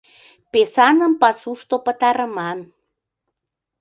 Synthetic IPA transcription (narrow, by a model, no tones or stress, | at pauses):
pesɑnəmpɑsuʃt̪opət̪ɑɾəmɑn